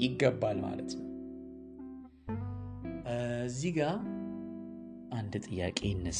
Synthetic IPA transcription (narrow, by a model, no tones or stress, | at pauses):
jɪɡːəbːalma̰lət̪nəw | zːiɡa | ʔand̪t̪ʼɨjːa̰kʼe̞ɪnːəs